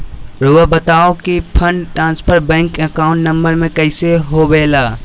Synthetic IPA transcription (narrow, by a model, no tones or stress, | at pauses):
ɾuːəbɐt̪aːokipʰə̃ɳɖʈɾãːnspʰəɾbɛ̃ːŋkəkaːʊ̃ɳʈnɐ̃mbəɾmẽkɐɪseɦoʋeːlaː